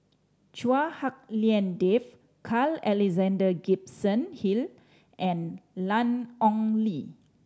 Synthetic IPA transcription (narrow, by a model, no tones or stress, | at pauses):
t͡ʃuahak̚liɛ̃ndef | kʰalɛlɛzãndəɡipsə̃nhil | ʔɛ̃nlãnɔ̃ŋli